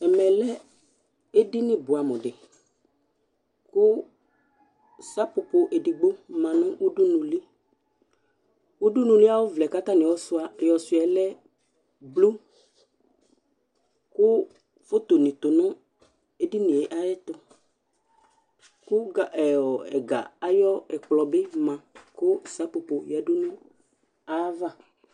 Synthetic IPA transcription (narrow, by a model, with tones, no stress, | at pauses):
ɛ˨mɛ˨lɛ˦ | e˦di˦nɪ̃˦bʊ˨a˨mɔ̃˨ɖɪ˨ | kʊ˦ | sa˦pʊ˨po˨ʔe˨di˨ɡ͡bo˦mã˨nʊ̃˦ʔu˦du˦nũ˨li˦ | u˦du˦nũ˨li˦a˦wo˦vlɛ˨ka˦t̪a˦nɪ̃˨ɔ˦sʊ˦a˨jɔ˨sʊ˨˦ɛ˨lɛ˦ | blu˦ | kʊ˦ | fo˦t̪o˨nĩ˨t̪o˨nʊ̃˦ | e˦di˦nĩ˨e˨ʔa˦jɛ˦t̪ʊ˨ | kʊ˦ɡa˨ɔ˨ɛ˨ɡa̰˨a˦jɔ˦ɛ˨k͡plɔ˨be˦mã˨kʊ˦˨sa˨˦po˨po˨jɛ˨dʊ˦nʊ̃˦ | a˦va˦˨